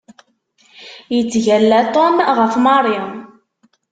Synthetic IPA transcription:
jət͡sːʝælːæt̪ˤomʁəfmɑɾˤi

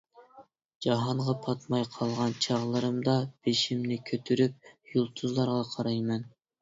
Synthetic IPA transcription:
d͡ʒɑɦɑɴʁɑpʰɑt̪mɑjqʰɑlˠʁɑnt͡ʃʰɑʁlˠɨɾɨmd̪ɑb̥eʃimnɪkʲʰøt̪ʰyɾyp̚julˠt̪ʰuzlˠɑɾʁɑqʰɑɾɑjmɛn

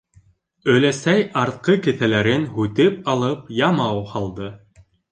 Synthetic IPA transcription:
ɵ̆jlæsæjɑɾt̪̚qɤkɘ̆θælæɾɘnhʉt̪ɘpɑlˠɤpjɑmɑwhɑlˠd̪ɤ

